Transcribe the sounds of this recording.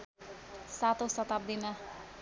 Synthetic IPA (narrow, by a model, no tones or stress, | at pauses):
sat̪osɔt̪ap̚d̪ina